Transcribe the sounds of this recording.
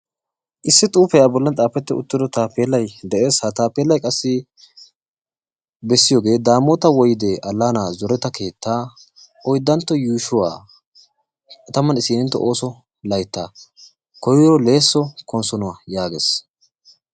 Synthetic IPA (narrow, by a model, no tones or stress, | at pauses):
ʔɪsːɪt̪ʼuːfɛjaːbɔlːɐnt͡sʼaːpːɛt̪ːɪʊ̰t̪ːɪd̪ɔt̪aːpeːlːɐjd̪ɛʔeːshɐt̪aːpeːlːɐjkʼɐsːɪ | bɛsːɪjoːɡe̞ːd̪aːmːɔt̪ɐwɔjɪd̪eʔɐlːaːnaːzɔɾɛt̪ɐkʰe̞ːt̪ːaː | ɔjd̪ːɐnt̪ːɔjuːʃʊwa̰ː | kʼɐt̪ɐmɐnɪsiːnɪnt̪ːɔ̰ʔoːsɔ | lɐjt̪ːaː | kɔjɪjɔle̞ːsːɔkɔnsɔnʊwaːjaːɡeːs